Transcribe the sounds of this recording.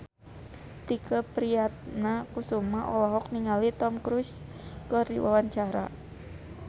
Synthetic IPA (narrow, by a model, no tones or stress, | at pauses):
t̪ikəpɾiat̪̚nakusumaʔoɔwaɦɔk̚niŋalit̪ɔmkɾuskɔrḭwʔawaɲt͡ʃaɾa̰